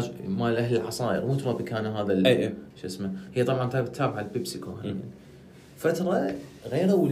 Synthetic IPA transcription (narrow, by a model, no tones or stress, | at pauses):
d͡ʒmalʔahlɪlʕɑsˤɑːʔə̰ɾmuːt̪ɾˤɑbikaːnaɦaːðalʃʔɪsmahɪjːat̪ˤɑbʕɑnt̪aːbt̪ʰːaːbʕalbɪbsɪkohaan | fat̪ɾˤɑɣeːɾawl